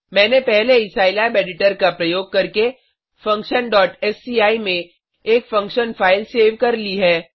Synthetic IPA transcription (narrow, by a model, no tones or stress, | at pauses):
mɛ̃ːnepɛɦleɪsaːɪlabeːɖɪʈəɾkapɾɐjoːɡ̚kɐɾke | fɐ̃ŋkʃənɖɔːʈɛsiːaːimẽ | eːkfɐ̃ŋkʃənfʰaːɪlseːʋkɐɾliɦɛː